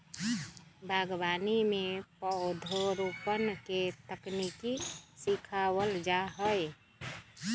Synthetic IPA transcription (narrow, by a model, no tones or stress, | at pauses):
bʱaɡbanimepəʊd̪ʱoɾupənket̪əknikisikʰawəld͡ʒaɦəj